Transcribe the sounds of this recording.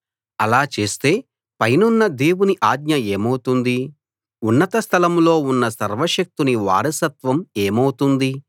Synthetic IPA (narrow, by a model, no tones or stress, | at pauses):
ɐlaːt͡ʃe̞ːst̪e̞ː | pɐjnunːɐd̪e̞ːwuniʔaːɡɲɐeːmɐwt̪und̪i | unːɐt̪ɐst̪ʰɐlɐmlo̞ːunːɐsɐɾʋɐʂɐk̚t̪uniʋa̰ːɾɐsɐt̪ʋɐmeːmɐwt̪und̪i